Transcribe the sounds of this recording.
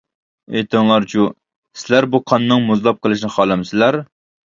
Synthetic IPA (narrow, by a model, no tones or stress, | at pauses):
ejt̪ʰɨŋlˠɑɾt͡ʃʰu | sɪlæɾbuqʰɑnːɨŋmuzlˠɑp̚qʰəlˠɨʃnɪχɑːlˠɪmsɪlæɾ